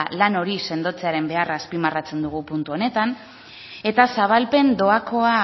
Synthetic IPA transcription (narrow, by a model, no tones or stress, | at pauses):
lano̞ɾise̞nd̪o̞t͡se̞aɾe̞mbe̞araːspimarat͡se̞nd̪uɣ̞upunt̪uo̞ne̞t̪an | e̞t̪asaβ̞alpe̞nd̪o̞ako̞a